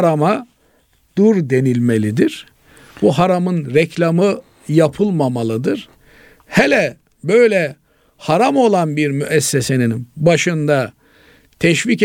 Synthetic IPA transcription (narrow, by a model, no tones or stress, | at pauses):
ɾama | d̪̥uɾd̪e̞nilʲmelʲid̪iɾ̥ | buɦaɾamɯnɾɛcʰlʲamɯ | japʰɯlˠmamalˠɯd̪ɯɾ̥ | hɛlʲɛ | bø̞jlʲɛ | haɾamo̞lˠanbiɾmyʔɛsːese̞ninbaʃɯnd̪a | t̪ʰɛʃvic